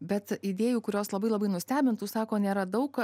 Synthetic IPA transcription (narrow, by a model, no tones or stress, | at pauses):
bʲɛt̪id̪ʲeːjuːkʊɾʲoːslˠɐbɐɪlˠɐbɐɪnʊsʲt̪ʲæːbʲɪnt̪uːsɑːkoːnʲeːɾɐd̪ɐʊk